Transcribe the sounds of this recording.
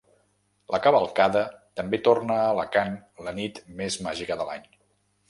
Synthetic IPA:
lʔəkəβəlˠkaðət̪əmbet̪ornəːləkanlənit̪mezmaʒikəðəla̰ɲ

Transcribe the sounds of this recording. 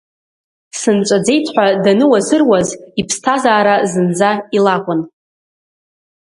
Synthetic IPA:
sɨnt͡ʃʷʼad͡ze̞jtʰħʷᶣadanɨwazɨrwazipʰstʰazaːɾazɨnd͡zailakʷʼʊn

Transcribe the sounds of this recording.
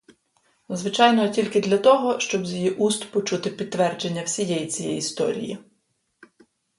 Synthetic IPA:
zʋɪt͡ʃɑjnɔtʲilʲkɪd̪lʲɐt̪ɔɦɔʃt͡ʃɔbzʲjijiʔust̪pɔt͡ʃut̪ɪpʲid̪̚ːʋɛrd͡ʒenʲːɐwsʲijɛjit͡sʲijɛ̰jist̪ɔ̰ɾʲḭjḭ

